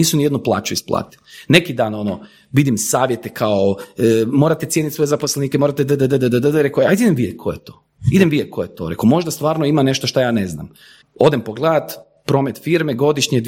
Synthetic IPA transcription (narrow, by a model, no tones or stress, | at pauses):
iːsunijed̪nuplˠa̰ːt͡ʃuisplˠa̰ːt̪i̥lnekid̪aːno̞no | ʋid̪imsaːʋjet̪ekʰaoəmoɾat̪et̪sjeːnit̪sʋo̞jezaposlˠeniːkemoːɾat̪ed̪əd̪əd̪əd̪əd̪əd̪əd̪ɾekoajd̪eid̪emʋijekʰojet̪o̥ | id̪emʋijekʰojet̪o̰ɾḛkomo̞ʒd̪ast̪ʋaːɾnoimane̞ʃt̪oʃt̪ojaːnezna̰m | o̞d̪empoɡlˠaːd̪ | pɾo̞met̪fiɾmeɡo̞d̪iʃɲed̪